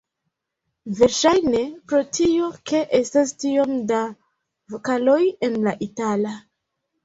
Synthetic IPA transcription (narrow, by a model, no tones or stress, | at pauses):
ve̞ɾʃajne̞pɾo̞tʰio̞ke̞ʔe̞stastio̞mda | vokalo̞je̞nlaʔitala